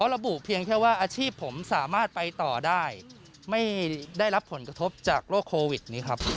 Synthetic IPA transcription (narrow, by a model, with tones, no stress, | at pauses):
pʰɔ˦˥ɾa˧bu˨˩pʰi˧əŋkʰɛː˥˩waː˥˩ʔaː˧t͡ɕʰiː˥˩pʰːo˩˦msaː˩˦maː˥˩t̪̚pa˧jt̪ɔː˨˩daː˥˩j | ma˥˩jda˥˩jɾa˦˥pʰːo˩˦nkɾa˧t̪ʰo˦˥p̚t͡ɕaː˨˩k̚loː˥˩kʰːoː˧wi˨˩t̪̚niː˦˥kʰɾa˦˥p̚